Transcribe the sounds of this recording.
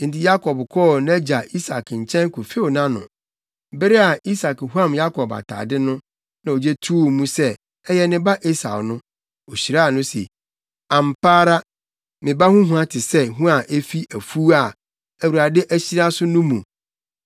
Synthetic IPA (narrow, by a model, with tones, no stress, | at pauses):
n̩˨tɪ˨ja˦kʰɔ˨bkʰɔː˦na˦d͡ʑa˨i˦sa˨kɲ̩˨t͡ɕʰɛ̃˦ŋkʰʊ˨fe˦o˨nã˦nʊ̰̃˨ | bɪ˦ɾɪ˦a˨i˦sa˨khu˦ã˦˨mja˦kʰɔ˨ba̰˨tʰa̰˨dɪ˦nʊ̃˦ | nã˨o˨d͡ʑɛ˦tʰu˦˨mũ˦sɛ˦ | ɛ˦jɛ˦nɪ̃˦ba˦ʔe˦sa̰˨wnʊ̃˦ | o˨ɕi˨ɾa˦˨nʊ̃˦sḛ˨ | ã˨m̩˨pʰaː˦ɾa˦ | mɪ̃˨ba˦hũ˦ɦũ˨˦ã˦tʰɪ˨sɛ˦ɦũ˦a˨ʔe˦fi˦æ˨fu˦a˨ | æ˨wu˨ɾa˨dɛ˦ʔæ˦ɕi˦ɾa˦sʊ˦nʊ̃˦mũ˨